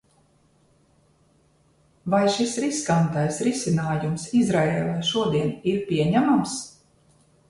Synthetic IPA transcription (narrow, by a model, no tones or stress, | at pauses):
vajʃisɾiskant̪ajsɾisinaːjumsizɾaeːlˠajʃuɔd̪iɛniɾpʲiɛɲæmams